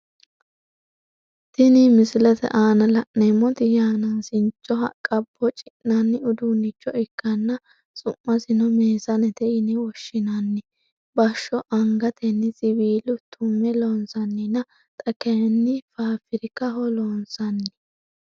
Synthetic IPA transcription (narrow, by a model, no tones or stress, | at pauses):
t̪ɪnɪmɪsɪlɛt̪ɛ̰ʔaːnɐlɐʔnɛmɔt̪ɪjaːnaːsɪnt͡ʃʼːɔɦɐ̰kʼːɐbːɔt͡ʃʼɪ̥nɐnːɪʊd̪unːɪt͡ʃːɔɪkːɐnːɐ | t͡sʼʊmːɐsɪnɔmeːsɐnɛt̪ɛʔɪnɛwɔʃːɪnɐnːɪ | bɐʃːɔʔɐŋɡɐt̪ʰɛnːɪsʼɪbiːlʊt̪ʰʊmːɛlɔnsɐnːɪnɐ | t̪ʼɐkɛnːɪfaːfɪɾɪkːɐɦɔloːnsɐnːɪ̥